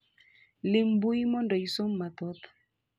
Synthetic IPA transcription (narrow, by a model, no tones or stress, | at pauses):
limbuimɔndɔisomːat̪ɔt̪ɔ̥